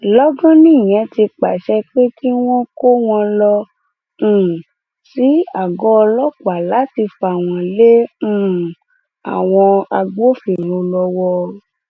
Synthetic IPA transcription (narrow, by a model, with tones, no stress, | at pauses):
lɔ˦ɡã˦nĩ˦˨j̃ɛ̃˨˧˦ti˧k͡pa˨ʃɛ˦k͡pe˦ki˦w̃ɔ̃˦ko˦w̃ɔ̃˧lɔ̃˧˨ | si˨˦a˦˨ɡɔ˦˧lɔ˦ka˨˦la˨˦ti˧fa˨w̃ɔ̃˧lẽ˦˨ | a̰˨w̃ɔ̃˧a˧ɡ͡bo˦fi˦˨ɾ̃ũ˧lɔ˧wɔ˧˦